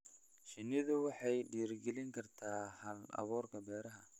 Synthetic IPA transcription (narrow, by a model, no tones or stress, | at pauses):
ʃɪnɪðʊwɑħɑjɖiːrɡɛlɪŋkʰɐrt̪ʰaːhɐlɐ̰βɔːrkʰɐbɛːɾɐɦɐ